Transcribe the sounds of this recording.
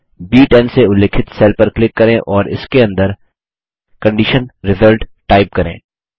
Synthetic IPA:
biːʈɛ̃nseʊleːkʰɪt̪seːlpɐɾklɪkːɐɾẽʔɔːɾɪ̰skeɐ̃nd̪əɾ | kɐ̃ɳɖɪʃənɾɪzəlʈʈaːɪp̚kɐɾḛ̃ː

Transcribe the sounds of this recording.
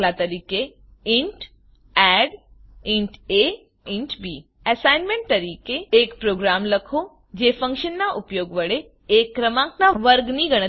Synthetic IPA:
lat̪əɾiːke | ɪ̃ɳʈ | ɛːɖɪ̃ɳʈe | ɪ̃ɳʈbiː | ɛsaːɪnmẽɳʈ̚t̪əɾiːkeeːkpɾoːɡɾaːmləkʰo | d͡ʒeːfə̃ŋkʃənːaʔʊpjoːɡʋəɽe | eːkːɾəmãŋknaʋəɾɡnĩɡəɽ̃ə

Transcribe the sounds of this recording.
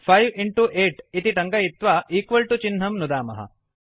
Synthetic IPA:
pʰɐjʋiɳʈuʔeːʈit̪iʈɐŋɡɐjit̪ʋaʔiːkʋɐlʈut͡ʃinɦɐmnud̪aːmɐ̰ɦɐ̰

